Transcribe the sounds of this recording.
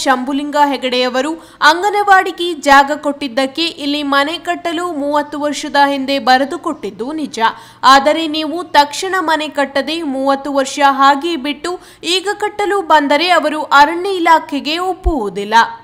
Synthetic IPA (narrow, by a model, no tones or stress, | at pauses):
ʃɐmbuliŋɡaɦɛɡɐɽɛjɐʋɐɾu | ɐŋɡɐnɐʋaːɽiɡid͡ʒaːɡɐko̞ʈːid̪ːɐkːe̞ʔilːimɐnɛkɐʈːɐlumuːʋɐt̪ːuʋɐɾʂɐd̪ɐɦind̪e̞bɐɾɐd̪uko̞ʈːid̪ːunid͡ʒɐ | aːd̪ɐɾe̞niːʋut̪ɐkʂiɳɐmɐnekɐʈːɐd̪e̞muːʋɐt̪ːuʋɐɾʂɐɦaːɡibiʈːu | iːɡɐkɐʈːɐlubɐnd̪ɐɾe̞ɐʋɐɾuʔɐɾɐɳːɐilaːkʰɛɡe̞opːuʋud̪ilːɐ